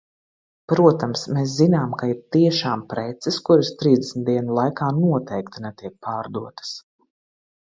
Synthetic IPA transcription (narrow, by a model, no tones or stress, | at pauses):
pɾuɔt̪amsmeːs̬zinaːmkaiɾt̪iɛʃaːmpɾɛt̪sɪskuɾast̪ɾiːzd̪ɛsn̩t̪d̪iɛnulˠajkaːnuɔt̪ɛjkt̪inɛt̪iɛk̚pʰaːɾd̪uɔt̪ɐ̥s